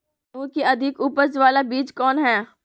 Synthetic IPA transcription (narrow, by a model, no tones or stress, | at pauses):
mũːkiɐd̪ʱɪkuːpəɾd͡ʒʋaːlabiːd͡ʒkɔːnɦɛː